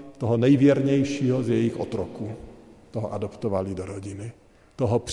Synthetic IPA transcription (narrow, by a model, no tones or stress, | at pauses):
t̪oɦonɛjvjɛɾɲɛjʃiːɦozjɛjɪxʔot̪ɾokut̪oɦoʔadopt̪ovalidoɾoɟɪnɪ | t̪oɦopr